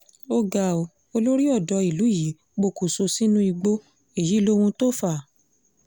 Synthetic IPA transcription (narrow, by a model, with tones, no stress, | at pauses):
o˧ɡa˨o˨ | o˧lo˦ɾi˦ɔ˦˨dɔ˨˧˦i˨lu˨˦˨ji˨˦ | k͡po˧˨ku˨so˧si˦nũ˦i˧ɡ͡bo˦ | e˦˨ji˨˦lo˦wũ˧to˦fa˦˨